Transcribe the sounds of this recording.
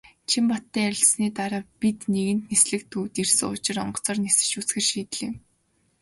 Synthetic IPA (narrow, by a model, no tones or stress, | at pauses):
t͡ɕʰimpɔt̪ːæːæɾʲɪ̆ɮsniːt̪aɾaːpit̪niɣɘ̆n̥t̪nesɮɘ̆kt̪ʰuːt̪irsɘŋʊt͡ɕɪ̆rɔ̰ɴɢɞ̥̆t͡sɔːrnesɘ̆t͡ɕut͡sxɘ̆rʃiːt̪̆ɮeːŋ